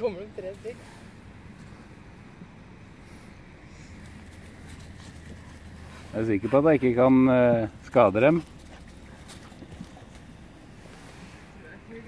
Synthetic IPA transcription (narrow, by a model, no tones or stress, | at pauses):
ɔmːəɖɛmt̪ʰɾeːst̪ɪɡ | jɑæɾsɪkəpɔɑt̪̚d̪æɪkːəkʰɑnskɑːd̪əd̪ɛm